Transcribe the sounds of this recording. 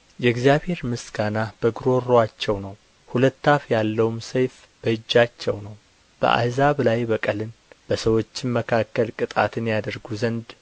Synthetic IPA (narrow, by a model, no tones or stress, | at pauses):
jɛɡzijaβhe̞ɾmɨsɡanab̥əɡɾo̞ɾoat͡ʃːɛwnəw | hulət̪ːafjalːəwumsəjf | b̥əɨd͡ʒːat͡ʃːɛwnəw | b̥ə̰ʔa̰zaβlajbəkʼəlɨnb̥əsəwot͡ʃːɪnməkʰakːəlkʼɨt̪ʼat̪ʰɨnjad̪əɾɡuzənd̪